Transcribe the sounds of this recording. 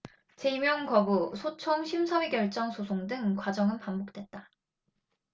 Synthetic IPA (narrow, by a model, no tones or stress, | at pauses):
t͡ɕe̞imjʌŋkʌbusʰot͡ɕʰʌŋɕʰimsʰʌwiɡjʌɭt͡ɕ͈ʌŋsʰosʰoŋdɯŋkwad͡ʑʌŋɯnpambok̚t͈we̞t̚t͈a